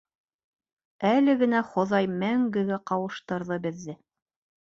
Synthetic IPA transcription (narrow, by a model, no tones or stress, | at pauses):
ælɘ̆ɡɘ̆næχŏðɑjmæŋɡɘ̆ɡæqɑwɤ̆ʃt̪ɤ̆ɾðɤbɘ̆ðːɘ